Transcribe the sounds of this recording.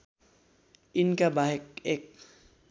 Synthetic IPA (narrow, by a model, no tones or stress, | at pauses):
inkabaɦek̚ek